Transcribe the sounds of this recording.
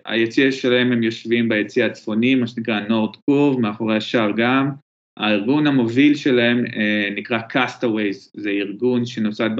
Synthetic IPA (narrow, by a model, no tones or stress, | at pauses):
a̰jet͡siaʃelahe̞mhemjo̞ʃvimbajet͡siat͡sfo̞nimːaʃenikʁano̞ʁdkuvmeaχoʁeaʃaʁɡam | a̰iʁɡunhamo̞vilʃe̞laɦe̞mnikʁakʰast̪awejzzeiʁɡunʃenosat̪̚b